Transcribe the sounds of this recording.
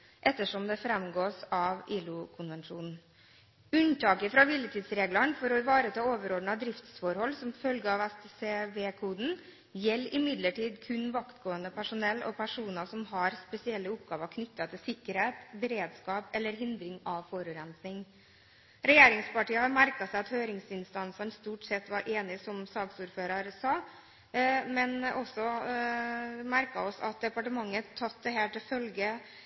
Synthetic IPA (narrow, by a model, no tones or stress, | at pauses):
ʔɛt̪ːəʂɔmd̪ɛfɾɛmɡoːsɑʋʔiːlʊkʰʊnʋɛnʂuːnn̩ | ʉnt̪ʰɑːkəfɾɑʋɪlət̪ʰiːd̪sɾeːɡləɳfɔɾɔɪʋɑːɾət̪ʰɑːoːʋəɾɔɖɳɑd̪ɾɪft̪sfɔɾhɔlːsɔmfœlɡəɑʋɛst̪ːseːʋeːkʰuːd̪n̩ | jɛlːɪmɪd̪ləʈiːd̪kʰʉnʋɑkt̪ɡoːənd̪əpʰæʂʊnɛlːʔɔ̰pʰæʂuːnəsɔmhɑɾspɛsɪɛlːəʊpɡ̥ɑːʋəkʰnʏt̪ːɑt̪ʰɪlsɪkːəɾheːt̪bɛɾeːd̪skɑːpɛlːəɾɦɪnd̪ɾɪŋɑʋfɔɾʉɾɛnsnɪŋ | ɾɛjeːɾɪŋspɑʈiːəhɑɾmæɾkɑsæɪɑt̪høːɾɪŋsɪnst̪ɑnsəɳst̪uːʈsɛt̪ːʋɑɾʔeːnɪsɔmsɑːksuːɾføːɾɑɾsɑː | mɛnɔsːɔ | mæɾkɑ̰ɔsɑ̰t̪̚d̪ɛpɑʈəmɑŋːət̪ʰːɑt̪̚d̪ɛɦæːʈɪlfœlɡə